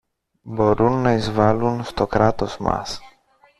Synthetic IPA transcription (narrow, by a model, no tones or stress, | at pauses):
boɾunːajzvalunst̪okɾat̪osma̰s